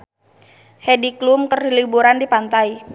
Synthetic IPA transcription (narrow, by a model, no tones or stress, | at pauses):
hediklumkərlibuɾandipant̪ai